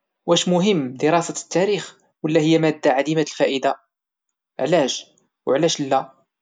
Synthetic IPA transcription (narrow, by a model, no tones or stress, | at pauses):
wæʃmʊɦəmːd̪əɾˤɑsæt̪ːæɾix | wəlːæhəjːæmæd̪ːaʕad̪imæt̪əlfæʔəd̪a | ʕlæʒ | wʕlæʃlːæ